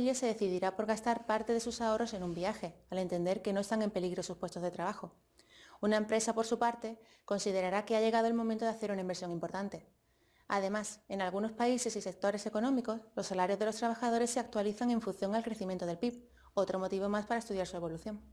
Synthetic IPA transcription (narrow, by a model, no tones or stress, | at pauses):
ʎese̞ðe̞θiðiɾapo̞ɾɣast̪aɾpaɾt̪e̞ðe̞susao̞ro̞se̞nũmbiaxe̞ale̞nt̪e̞nd̪e̞ɾke̞no̞e̞st̪aŋe̞mpe̞liɣɾo̞suspwest̪o̞zðe̞t̪ɾaβ̞axo̞ | unaempɾe̞sapo̞ɾsupaɾt̪e̞ | ko̞nsið̞eɾaɾake̞aʎe̞ɣ̞aðoe̞lmomẽnt̪oðaθe̞ɾunaimbe̞ɾsjo̞ŋimpo̞ɾt̪ant̪e̞ | a̰ðe̞mase̞nalɣ̞uno̞spaise̞sise̞k̚t̪o̞ɾe̞se̞ko̞nõ̞miko̞slo̞sːalaɾjozðe̞lo̞st̪ɾaβ̞axað̞o̞ɾe̞sːe̞ak̚t̪waliθaŋẽ̞ɱfunθjo̞ŋalkɾeθimjẽnt̪o̞ðelpip̚ | o̞t̪ɾo̞mo̞t̪iβ̞o̞maspaɾaest̪uðjaɾsue̞βo̞luθjo̞ŋ